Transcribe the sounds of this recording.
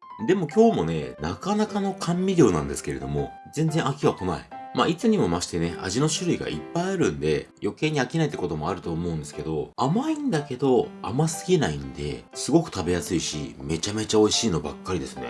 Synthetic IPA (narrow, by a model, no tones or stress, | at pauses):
d̪e̞mo̞kʲo̞ːmo̞ne̞̰nakanakano̞kʰãmʲbʲiɾʲo̞ːnã̰nd̪e̞sɨ̥ke̞ɾe̞d̪o̞̰mo̞ | zẽ̞nzẽ̞ɰ̃akʲiβako̞na̰ḭma̰ːit͡sɨɲ̟imo̞maɕi̥t̪ene̞a̰ʑino̞ɕɨɾɯ̟iɡa̰ʔḭpːaiaɾɯ̟̃nd̪e̞jo̞ke̞ːɲ̟iakʲinait̪ːeko̞t̪o̞mo̞aɾɯ̟t̪o̞ːmo̞ɯ̟̃nd̪esɨ̥ke̞d̪o̞amaĩnd̪ake̞d̪o̞a̰masɨɡʲinaind̪e̞̰sɨɡo̞kɯ̟̥t̪abe̞jasɨiɕḭme̞t͡ɕame̞t͡ɕao̞iɕiːno̞bakːaɾʲid̪esɨne̞̰